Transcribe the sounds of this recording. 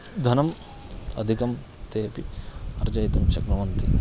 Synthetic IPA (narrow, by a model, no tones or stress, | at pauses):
d̪ʱɐnɐm | ɐ̰d̪ʱikɐm | t̪eːpiɐɾd͡ʒɐjit̪ɐmʃɐkɾɐʋɐnt̪i